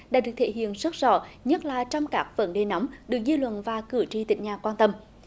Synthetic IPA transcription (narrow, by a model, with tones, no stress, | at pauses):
ɗa̰ː˧˥ɗɨ˨˩ək̚t̪ʰḛ˧˩ɦḭ˧˨ənsə˦˥t̚zɔ̰˧˩ɲə˦˥t̚laː˨˩t͡ɕɔ˧wŋ͡mkaː˦˥k̚və̰˧˥nɗe˨˩na˨˦wmɗɨ˨˩ək̚zi˧lwə̰˧˨nvaː˨˩kɨ˧˩ət͡ɕi˧˩t̪ḭ̈˧˨ŋ̟ɲaː˨˩kwaː˧nt̪ə˧m